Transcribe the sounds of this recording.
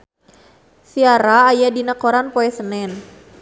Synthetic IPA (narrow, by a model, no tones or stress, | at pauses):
siaɾaːjadinakoɾanpoɛsənɛn